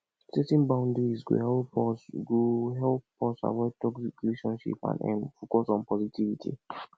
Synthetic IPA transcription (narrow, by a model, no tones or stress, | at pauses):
setĩnbãʊ̃ndiɹizɡo̰hɛlɔɡoɦɛlppɔsa̰wɛtɔksikɾileʃɔ̃nʃḭpã̰nɛ̰̃nfokɔsɔ̃npɔzitivitʰḭ